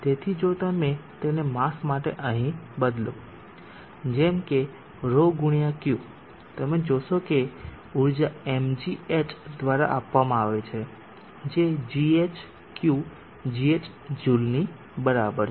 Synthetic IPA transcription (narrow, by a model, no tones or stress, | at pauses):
t̪et̪ʰid͡ʒot̪amet̪enemasmaʈḛʔəɦĩbəd̪ljo | d͡ʒemke | ɾoɡʊɽ̃ijakju | t̪əmed͡ʒoʃoke | uɾd͡ʒaemd͡ʒiet͡ʃd̪ʋaɾa̰ʔapʋamãaʋet͡ʃʰe | d͡ʒed͡ʒiet͡ʃ | kju | d͡ʒiet͡ʃ | d͡ʒulni | bəɾabəɾ